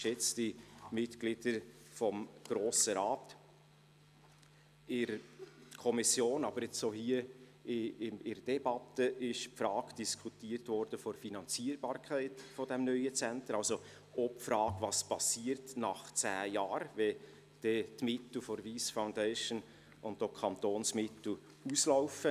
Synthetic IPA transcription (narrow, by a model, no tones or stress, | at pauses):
ʃjɛt͡sd̥imɪtɡ̥lɪd̥əɾ | fɔmɡ̥ɾoːsəɾɑːt | ɪɾkʰɔmɪsjoːnɑb̥əɾjɛt͡ssohiəɪɪmɪɾd̥ɛbɑtəʔɪʃpfɾɑːɡd̥iskʰutiːəɾtvɔɾd̥əfoɾfinɑnt͡siːəɾbɑːɾkʰæɪtfɔd̥ɛmnœʏət͡sɛntəɾɑlso | ɔpfɾɑːɡvɑspɑsiəɾtnɑχt͡sæːjɑːɾvɛ | d̥ɛtmɪtl̩ˠfɔɾviːsfaʊndɛɪʃən | ʊntokʰɑnt̪oːnsmɪtl̩ | uslaʊfə